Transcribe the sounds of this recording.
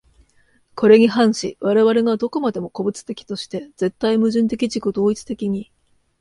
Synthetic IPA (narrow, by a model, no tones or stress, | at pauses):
ko̞ɾe̞ɲ̟iɦãɰ̃ɕḭβaɾe̞βaɾe̞ɡad̪o̞ko̞mad̪e̞mo̞ko̞bɯ̟t͡sɨ̥t̪e̞kʲi̥t̪o̞ɕi̥t̪e̞d͡ze̞t̪ːaimɯ̟ʑɨ̃nt̪e̞kʲiʑikɯ̟d̪o̞ːit͡sɨ̥t̪e̞kʲiɲ̟i